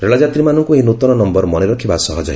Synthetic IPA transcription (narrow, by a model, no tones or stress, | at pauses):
ɾeɭɔd͡ʒat̪ɾimanɔŋkuɦindut̪ɔnɔnɔmbɔɾmɔneɾɔkʰibasɔɦɔd͡ʒɔj